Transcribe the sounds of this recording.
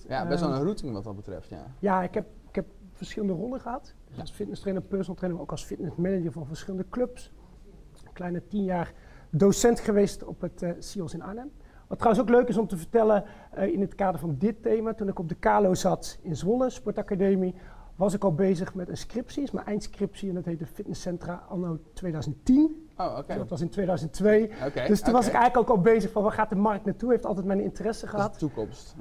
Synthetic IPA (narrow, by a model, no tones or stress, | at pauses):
jabɛɛlˠərutɪŋʋɑ̰tdɑd̚bətrɛ̰ftja̰jaːɪkɛp̚ | ɪkɛp̚ | fəɹsχɪlˠəndərɔlˠdəχəɦɑt | d̥əsɑsfɪt̚nəstrɛjnəpɛɹsnəlˠtrɛjnəmaowkɑlˠsfɪtnəsmɛnəd͡ʒəɹvɑnvəɹsχɪləndəklɵps | klɛjnətinjaːrdowsɛntχəʋejstɔ̰pətsiɔlˠsɪna̰nəm | ʋɑtːrawənsowkløɥkɪsɔmtəvəɹtɛlə | ɪnətkaːdəɹvɑndɪtejmaːtunɪkɔb̚dəkaːlowzɑtɪnzʋɔləspɔɹtakadejmiʋɑsɪkɑlˠbejzəχmɛtənskrɪpsisma̰ːɹʔɛjnskrɪpsiɛndɑtɦejt̚dəfɪtnəsɛntraɑ̰lˠnowtʋejdœɥzənttin | dɑtʋɑsɪntʋejdœɥzəntʋejd̥əstunʋɑsɪkɛjɣəkokɑlˠbejzəχfɑnʋaːχaːt̚dəmɑrk̚tnatuɦejftɑlˠtɛjtmɛjnɪ̰ntərɛsəχəɦɑtukɔmst